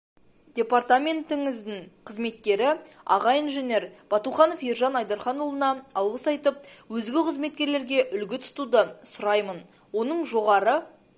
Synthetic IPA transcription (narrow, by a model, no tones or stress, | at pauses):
d̪̥ʲe̞part̪amʲe̞nt̪ɪŋɪzd̪ɪɴqʰəzme̞t̪̚kʲe̞ɾɪ | ɑ̰ʁɑjinʒenʲe̞ɾb̥ɑt̪uχɑnofjeɾʒɑnɑjd̪ɑɾχɑnolˠənɑɑlˠʁəsɑjt̪əp̚wɵzɡʲɪqʰəzme̞t̪̚kʲe̞ɾle̞ɾɡʲe̞ʔʏlɡʲɪt̪ʰʊ̥t̪ud̪əsʊɾɑjmən | wo̞nəɴʒo̞ʁɑɾə